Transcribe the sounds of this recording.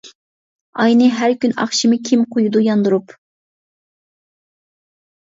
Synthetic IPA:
ɑjnɨɦæɾkʲynɑ̰χʃimɨkʲʰimqʰojud̪ujɑnd̪uɾup

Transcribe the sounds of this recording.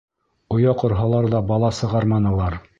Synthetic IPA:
ŏjɑqŏɾɦɑlˠɑɾðɑbɑlˠɑsɤ̆ʁɑɾmɑnɤ̆lˠɑɾ

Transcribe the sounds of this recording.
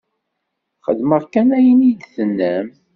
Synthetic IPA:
χəðməʁkænæjənid̪θənːəm

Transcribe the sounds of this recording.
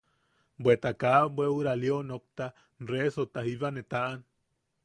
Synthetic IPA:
bwet̪akabwewɾaljonok̚t̪a | nresot̪ahiβanet̪aʔan

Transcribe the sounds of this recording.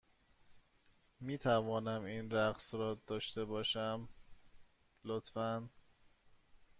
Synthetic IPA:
miːt̪ʰævɒːnæminɾæɣsɾɒːd̪̥ɒːʃt̪e̞bɒːʃæm | lot̪fæn

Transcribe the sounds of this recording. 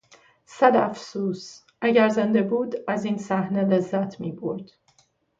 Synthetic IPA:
sæd̪æfsuːs | ʔæɟæɾzend̪ebuːd̪æziːnsæhnele̞zːæt̪ʰmiːboɾd̪̥

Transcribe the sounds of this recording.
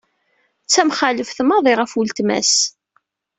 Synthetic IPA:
t͡sːæmχaləfθəmɑðˤiʁəfəlt̪mæ̰s

